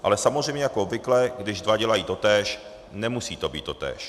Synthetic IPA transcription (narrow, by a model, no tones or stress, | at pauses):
ʔa̰lɛsamozrɛjmɲɛjakoobvɪklɛɡdɪʒdvaɟɛlajiːt̪o̞t̪ɛːʃ | nɛmusiːt̪o̞bḭːt̪to̞t̪ɛ̰ːʃ